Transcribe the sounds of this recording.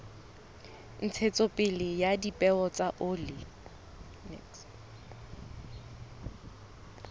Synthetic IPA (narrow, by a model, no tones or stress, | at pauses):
n̩t͡sʰet͡sʼopʼɪlɪjadipʼɛɔt͡sʼaʔʊlɪ | nɛ̰ks